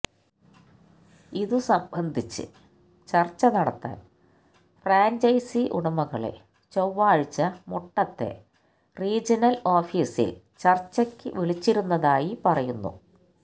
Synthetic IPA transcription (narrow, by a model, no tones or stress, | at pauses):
iðusɐmbʱɐnd̪ʱit͡ɕːɨ̰ | t͡ɕɐrt͡ɕːɐnɐɽɐt̪ːa̰ːn | fraːɲd͡ʑɐjsiʔuɽɐmɐɣɐɭḛ | t͡ɕowːaːɻt͡ɕːɐmoʈːɐt̪ːe̞̰ | riːd͡ʑɐnɐlo̞ːfiːsḭl | t͡ɕɐrt͡ɕːɐkʲːɨ̰ʋiɭit͡ɕːiɾunːɐðaːjipɐrɐjunːṵ